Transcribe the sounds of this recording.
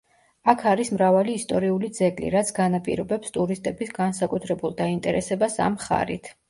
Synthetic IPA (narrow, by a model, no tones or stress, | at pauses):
akʰaɾismɾavaliːst̪ʼɔɾiulid̪zɛɡlḭɾat̪sʰɡanapʼḭɾɔbɛpst̪ʼuɾist̪ʼɛbisɡansakʼut̪ʰɾɛbulˠd̪aint̪ʼɛ̰ɾʔɛsɛbasa̰mχa̰ɾḭt̪ʰ